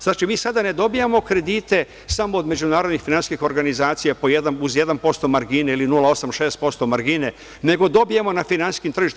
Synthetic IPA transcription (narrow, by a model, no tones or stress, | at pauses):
znaːt͡ʃimiːsad̪ane̞d̪o̞bijamo̞kɾe̞d̪iːt̪e̞ | samo̞ːd̪me̞d͡ʒunaːɾod̪nixfinanskixo̞ɾɡanizaːt̪sijapo̞jed̪anuzje̞d̪anpo̞st̪o̞maɾɡineilinulao̞samʃe̞ːst̪̚po̞st̪o̞maɾɡine | ne̞ɡo̞d̪o̞bijemo̞nafinansi̥skimt̪r̩ʒiʃt̪